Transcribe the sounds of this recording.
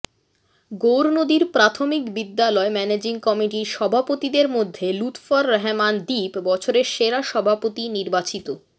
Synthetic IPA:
ɡowɾonod̪iɾpɾat̪ʰomikbid̪ːalɔemɛned͡ʑiŋkɔmiʈiʃɔbʱapot̪id̪eɾmod̪ʱːelut̪faɾɦɛmand̪ipbɔt͡ɕʰoɾeɾʃeɾaʃɔbʱapot̪iniɾbat͡ɕit̪o

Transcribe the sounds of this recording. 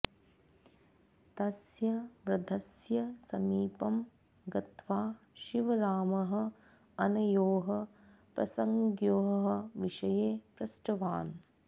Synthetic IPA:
t̪ɐsjɐʋɾɐd̪ʱɐsjɐsɐmiːpɐm | ɡɐt̪ʋaː | ʃiʋɐɾaːmɐɦɐ̆ | ɐnɐjoːɦɐ | pɾɐ̰sɐŋɡjoːɦɐɦɐ̆ʋiʂɐjeːpɾɐsʈɐʋaːn

